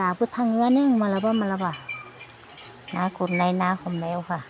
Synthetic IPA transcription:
abɯtʰaŋɯaneŋmalabamalaba | nakuɾnajnahɔmnajawha

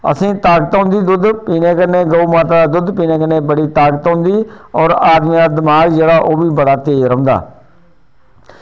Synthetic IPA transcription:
ə̰sĩːt̪aːkət̪ɦʊ̃nd̪iːd̪ʊd̪piːneːkənːeːɡəuːmaːt̪aːd̪aːd̪ʊd̪piːnẽːkənẽːbəɽiːt̪aːkət̪ɦʊ̃nd̪iːɔːɾaːd̪miːaːd̪əmaːɡd͡ʒeːɽaːʔoːbiːbəɽaːt̪eiɾə̃ːnd̪a̰ː

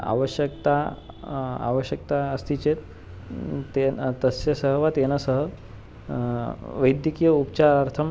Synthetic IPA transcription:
a̰ʋəɕjəkt̪a | a̰ʋəɕjəkt̪aəst̪ʰit͡ɕet̪ | et̪əsəsəɦəʋat̪enasəɦə | ʋəjd̪jikijəupt͡ɕaɾəɾt̪ʰəm

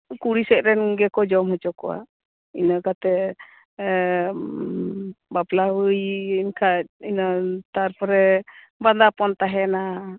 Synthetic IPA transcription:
kuɽisɛc̚ˀɾɛnɡɛkɔd͡ʒɔmɦɔt͡ʃɔkɔa̰ | inakat̪ɛ | bablaɦujinkʰat̚inat̪aɾpɾɛ | band̪apɔnt̪aɦɛna

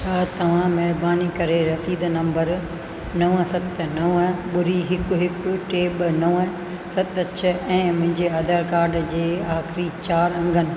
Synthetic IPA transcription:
t͡ʃʰaːt̪ɐʋ̤ãmɛɦbaːnikɐɾeɾɐsiːd̪ʱnɐ̃mbəɾ | nɐʋəsɐt̪nɐʋɓʊɾiɦɪkɦɪkʊʈeːɓnɐʋə | sɐt̪ɐt͡ɕʰɐɛ̃ːmʊ̃ɦɪ̃ɲd͡ʑeɐd̪ʱaːɾkaːɾɖd͡ʑeːaːxɾit͡ɕaːɾɐ̃ŋɡʱənɪ̆

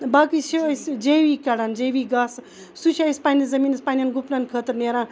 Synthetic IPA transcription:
bakisisd͡ʒeʋiːkɐɽand͡ʒeʋiɡaːs | sut͡ʃʰʲajspaːnizɐmiːnspaːnʲanɡupnankʰəːt̪ɨɾneɾã

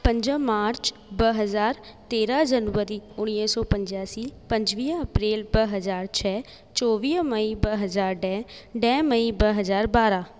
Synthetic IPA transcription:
pə̃ɲd͡ʒə̃maːɾt͡ʃ | bəɦəzaːɾt̪eːɾaːd͡ʒənəɾiːʊñiəsɔːpəɲd͡ʒaːsiːpə̃ɲd͡ʒʋiːəpɾeːlbəɦəzaːɾt͡ʃʰɛː | t͡ʃɔːʋiːməibəɦəzaːɾɖɛːɖɛːməibəɦəzaːɾbaːɾaː

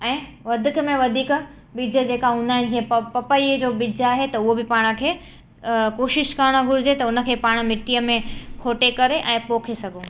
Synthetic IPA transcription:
ɛ̃ː | ʋɐd̪ʱɪkəmẽʋɐd̪ʱiːk | bid͡ʑʱə̆d͡ʑeːkaʊnə̃d͡ʑiə̃pɐpəid͡ʑoːbid͡ʑʱaːɦet̪ɐʊɦobɪpaːɽ̃ə̆kʰeː | koːʃɪʃkɐɾɽ̃oɡʱʊɾɪd͡ʑet̪ɐʊnə̆kʰeːpaːɽ̃̆mɪʈijəmẽkʰoːʈekɐɾeʔɛ̃ːpoːkʰesɐɡʱoː

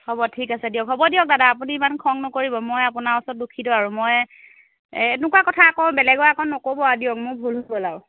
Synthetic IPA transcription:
hɔbɔtʰikasɛdijɔkɦɔbɔdijɔk̚dadaːpuniːmankʰɔŋnɔkoɹibɔmɔjapʊnaɔsɔt̚dukʰidɔaɹumɔj | nʊkakɔtʰaːkɔbɛlɛɡɔakɔnːɔkobɔadiɔkmʊɹbʱulɦobɔlaʊ

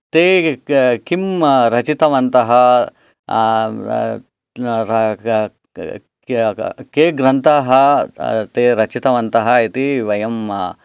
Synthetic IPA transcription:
t̪eːkimɾɐt͡ʃit̪ɐʋɐnt̪ɐɦɐ | ɾɐ | keːɡɾɐnt̪aːɦɐt̪eːɾɐt͡ʃit̪ɐʋɐnt̪ɐɦɐit̪iʋɐjɐm

